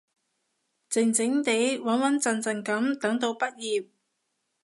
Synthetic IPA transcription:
t͡sɪ˨˩ŋt͡sɪ˨˥ŋt̪e˨˥jwɐ˨˥nwɐ˨˥nt͡sɐ˨nt͡sɐ˨ŋkɐ˨˥mt̪ɐ˨˥ŋt̪o˧wpɐ˥t̚jiː˨p̚

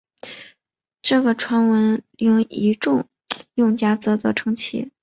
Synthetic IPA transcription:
ʈ͡ʂɤ˥˩ɡə˩ʈ͡ʂʰwa˧˥nwə˧˥njʊ˥˩ŋi˧˥ʈ͡ʂʊ˥˧ŋ | jʊ˥˩ŋt͡ɕja˥t͡sɤ˥˩t͡sɔ˥˩ʈ͡ʂʰɤ˧˥ŋt͡ɕʰḭ˧˥˩

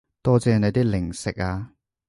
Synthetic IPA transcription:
t̪ɔː˥t͡sɛː˨˧ne˨˧t̪iː˥lɪ˨˩ŋsɪ˨k̚aː˧

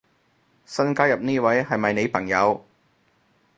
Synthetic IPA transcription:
sɐ˥nkaː˥jɐ˨p̚niː˥˩wɐ˨˥jhɐ˨jmɐ˨jne˨˧jpʰɐ˨˩ŋjɐ˨˧w

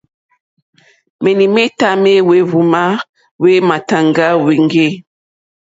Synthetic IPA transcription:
mɛ˨ni˨mɛ˦ta˦me˦we˦vu˨ma˦ | we˦ma˨ta˨ŋɡa˦we˨ŋɡe˦˨

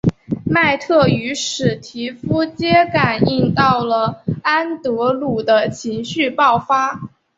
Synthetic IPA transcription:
ma˥˧ɪt̪ʰɤ˥˩y˧˥ʂɻ̩˨˩t̪ʰi˧˥fu˥t͡ɕjɛ˥ka˨˩ni˥˧nt̪ɑ˥˩ʊlə˩a˥nt̪ɤ˧˥lu˨˩d̪ə˦t͡ɕʰi˧˥ŋɕy˥˧pɑ˥˩ʊfa˥

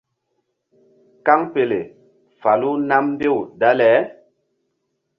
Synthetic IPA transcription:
ka˦ŋpe˨le˨ | fa˨lu˦na˦m˦be˦˨wda˦lɛ˨˦

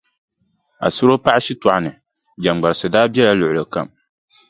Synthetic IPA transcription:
a̰˨sʊ˦ɾo˦pa˦a˦ʃi˦tɔ˨ʔa˨nɨ˨ | d͡ʒa˨ŋ͡mɡ͡ba˨ɾɨ˨sɨ˨daː˦bjɛ˦la˦lʊ˨ʔʊ˨lɨ˨ka̰˨m

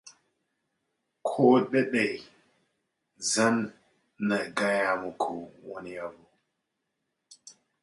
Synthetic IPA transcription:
kʰo˦ɗɛ˦ɗe˨j | za˦nː | a˨ɡa˦ja˦mu˨kʰu˨wɔ˦ni˦ja˦vo˨

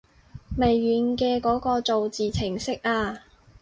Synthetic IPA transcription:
me˨˩jːyː˨˥nkɛː˧kɔː˨˥kɔː˧t͡so˨wt͡siː˨t͡sʰɪ˨˩ŋsɪ˥k̚ʔaː˧

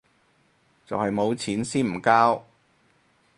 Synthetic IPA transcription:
t͡sɐ˨whɐ˨jmo˨˧wt͡sʰiː˨˥nsiː˥nm̩˨˩kaː˥w

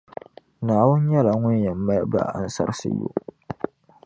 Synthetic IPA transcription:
naː˨wʊ˦n˦ɲɛ˦la˨ŋʊ˦njɛ˨mː˦a˦ba̰˦a̰˨n˦sa̰˦ɾsɨ̰˦jo̰˦ʔ

